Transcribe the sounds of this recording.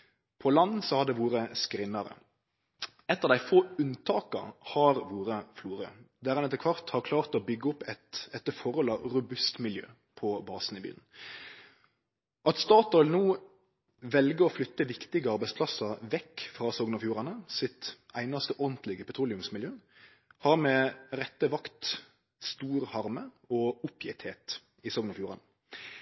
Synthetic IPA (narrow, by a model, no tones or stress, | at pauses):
pʰɔlɑnːsɔhɑʁd̪ɛʋuːɾəskɾɪnːɑɾə̰ | ɛt̪ːəʁd̪æɪfoːʉnt̪ʰɑːkɑ̰hɑɾʋuːɾəfluːɾə̰d̪æːʁɛnɛt̪əkʋɑʁt̪hɑʁkʰlɑːʁt̪ɔbʏɡːəʊpːɛt̪ɛt̪ːəfɔɾɔlɑɾʉbʉst̪mɪljø̰ː | pʰɔbɑːsn̩ɪbḭːln̩ | ʔɑt̪st̪ɑːt̪ɔlnuː | ʋɛlɡəɾɔflʏt̪ːəʋɪkt̪ɪɡəɑɾbæɪtspʰlɑsəɾʋɛkːfɾɑːsɔɡnəfjuːʁɑnəsɪt̪æɪnɑst̪əʔɔʁnt̪lɪɡəpʰɛt̪ʰɾuːlɪʉmsmɪljøː | hɑɾmɛɾɛt̪ːəʋɑkt̪ | st̪uːɾhɑɾmə | ɔʊpʰjɪt̪heːt̪ | ɪsɔɡnɑfjuːɾɑnə